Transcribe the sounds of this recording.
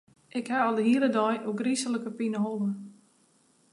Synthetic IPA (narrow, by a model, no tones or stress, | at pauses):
ʔɪkhaɔldəɦiələdɔjʔokrisələkəpinəɦolˠə